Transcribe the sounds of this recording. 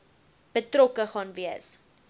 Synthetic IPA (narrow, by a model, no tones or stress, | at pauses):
b̥ətɾɔkəχɑːnviəs